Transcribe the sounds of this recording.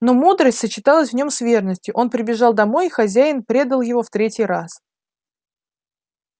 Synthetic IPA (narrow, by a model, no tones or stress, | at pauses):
no̞mud̪ɾəsʲtʲsət͡ɕɪt̪ɑlˠəsʲvnʲo̞msvʲe̞rnəsʲtʲʊʔo̞npɾʲɪbʲɪʐɑlˠd̪ɐmo̞jixɐzʲæjɪnpɾʲe̞d̪əlˠjɪvo̞ft̪ɾʲetʲɪjɾas